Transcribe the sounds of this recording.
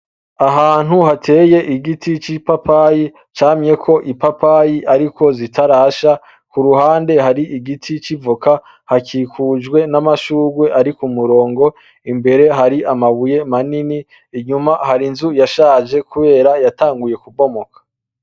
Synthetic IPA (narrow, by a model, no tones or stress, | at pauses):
aɦaːn̥huɦatʰe̞ːje̞ʔiɡitʰit͡ʃipapʰaji | t͡ʃaːmɲe̞kʰo̞ʔipapʰajiʔaɾikʰo̞zitʰaɾaʃa | kuɾuhaːnde̞ɦaɾiʔiɡitʰit͡ʃivoka | hakiːkʰud͡ʒɡwe̞namaʃuːɡwe̞ʔaɾikumuɾo̞ːŋɡo̞ | imbe̞ɾe̞ɦaɾiʔamaβuje̞maniniː | ɲumahaɾinzujaʃaːd͡ʒe̞kʰuβe̞ːɾajataːŋɡuje̞kubo̞mo̞kʰḁ